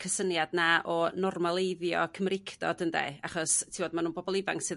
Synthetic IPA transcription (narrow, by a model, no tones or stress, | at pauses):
kʰəsənjadnaʔɔnɔrmalˠejðjɔ̰kʰəmrɪkʰd̥ɔ̰d̥əndḛaχɔstʰivoːdmanuːnbɔbɔlˠɪva̰ŋksɨð